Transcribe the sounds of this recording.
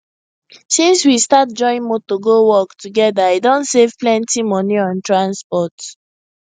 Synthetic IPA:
sĩnswistat̚d͡ʒɔ̃ɪ̃nmotoɡowɔktʰuɡɛdaedõntsev̥plɛ̃ntimɔniɔ̃ntɹãnspɔt

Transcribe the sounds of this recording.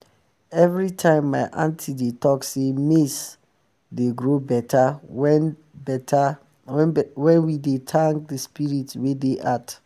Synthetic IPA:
ɛvɹitʰãɪ̃mːaɪʔãntʰidetʰɔksemis | deɡɹobɛtʰaɛ | ɛta | wɛ̃nwidetʰãŋk̚dəspiɹitwedeʔat

